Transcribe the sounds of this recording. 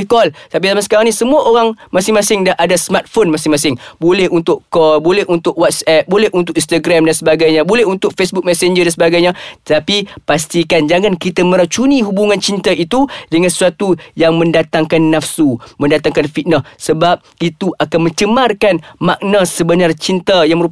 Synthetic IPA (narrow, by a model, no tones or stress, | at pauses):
kɔlt̪ap̬izamansə̥kaɾaŋnisəmuaʔoɾaŋmãsɪŋmãsɪŋdaʔadasəmart̪̚fonmãsɪŋmãsɪŋbolɛhunt̪ʊkkɔlbolɛɦunt̪ʊk̚wat̪̚sɛp̚bolɛhʔunt̪ʊkĩnst̪aɡɾamdansəbaɡajɲãbolɛɦunt̪ʊk̚fesbʊk̚mɛsɛnd͡ʒədansəbaɡajɲat̪t̪apipast̪ikand͡ʒaŋãnkit̪amə̃ɾat͡ʃuniɦubuŋãnt͡ʃint̪aʔit̪udəŋãnsə̥suat̪ujaŋmə̃ndat̪aŋkanːafsumə̃ndat̪aŋkanfit̪̚nəsəbap̚it̪uʔakanmə̃ɲt͡ʃəmarkanmaʔnasəbənart͡ʃint̪ajaŋməɾu